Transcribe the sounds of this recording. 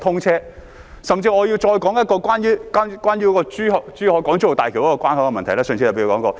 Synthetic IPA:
t̪ʰʊ˥ŋt͡sʰɛː˥ | sɐ˨mt͡siː˧ɔː˨˧ji˧wt͡ʃɔː˧jkɔː˨˥ŋjɐ˥t̚kɔː˧kʷaː˥njyː˥ka˥kʷaː˥njy˥kɔː˧t͡ʃyː˥hɔ˨t͡ʃyː˥hɔː˨˥kɔː˨˥ŋt͡ɕyː˥o˨wt̪aː˨kʰi˨˩wkɔ˦˥kɔː˧kʷwaː˥nhɐ˧˥wkɛ˧mɐ˨ntʰɐ˨˩jlɛː˥sœː˨ŋt͡sʰi˧a˨pːkɔː˨˥ŋkɔː˧

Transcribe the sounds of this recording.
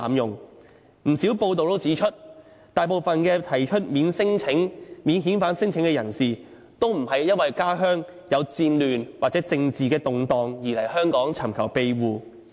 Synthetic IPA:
mjʊ˨ŋ | m̩˨˩si˨˥wpo˧wt̪o˨wt̪o˥wt͡siː˨˥t͡ʃʰɵ˥t̚ | t̪aː˨jpo˨wfɐ˨nkɛː˧t̪ʰɐ˨˩jt͡ʃʰɵ˥t̚miː˨˧nsɪ˥ŋt͡sʰɪ˨˥ŋmiː˨˧nɦiː˨˥nfaː˨˥nsɪ˥ŋt͡sʰɪ˨˥ŋkɛ˧jɐ˨˩nsiː˨˩ | t̪o˥wm̩˨˩hɐ˨jːɐ˥n̚wɐ˨jkaː˥ɦœː˥ŋ | jɐ˨˧wt͡siː˧nlyː˨nwaː˨k̚t͡sɛ˨˥t͡sɪ˧ŋt͡siː˨kɛː˧t̪ʊ˨ŋt̪ɔː˨ŋjiː˨˩lɐ˨˩jhœː˥ŋkɔː˨˥ŋt͡sʰɐ˨˩mkʰɐ˨˩wpe˧jwuː˨˧

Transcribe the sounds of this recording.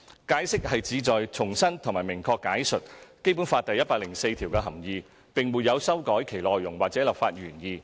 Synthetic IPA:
kaː˨˥jsɪ˥k̚hɐ˨jt͡siː˨˧t͡sɔː˨jt͡sʰʊ˨˩ŋsɐ˥nt̪ʰʊ˨˩ŋmaː˨jmɪ˨˩ŋkʰɔː˧kːaː˨˥jsɵ˨t̚ke˥jp̬u˨˥nfaː˧t̚t̪ɐ˨jɐ˥t̚paː˧klɪ˨˩ŋse˧jt̪ʰi˨˩wkɛː˧ɦɐ˨˩mjiː˨˧ | pɪ˨˩ŋmuː˨t̚jɐ˨˧wsɐ˥wkɔː˨˥jkʰe˨˩jlɔː˨jːʊ˨˩ŋwaː˨t̚t͡sɛː˨˥lɐ˨pfaː˧t̚ɥyː˨˩njiː˨˧

